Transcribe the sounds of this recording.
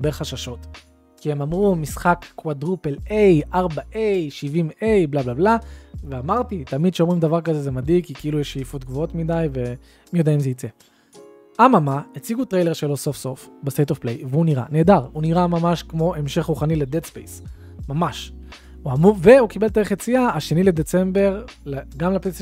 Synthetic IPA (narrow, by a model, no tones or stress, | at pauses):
beχaʃaʃo̞t̪ | kihe̞mamʁumisχakːwadʁupelejʔaʁbaʔejʃivimejblablablaveamaʁtit̪amid̥̪ʃeo̞mʁimd̪avaʁkazezemadikkːikiilujeʃejifot̪ɡvoo̞t̪midajve̞ | mijod̪eaimzeit͡se̞ | ʔamamaet͡siɡut̪ʁe̞jle̞ʁʃelo̞so̞fso̞fbestejt̪ofplejveuniʁa̰ne̞ːdaʁuniʁamamaʃkmo̞ʔe̞mʃe̞χʁuχaniled̪edspḛjs | mamaʃ | uamuve̞ukibeld̪eeχjet͡siaaʃe̞nile̞d̪et͡se̞mbe̞ʁ | leɡamlapes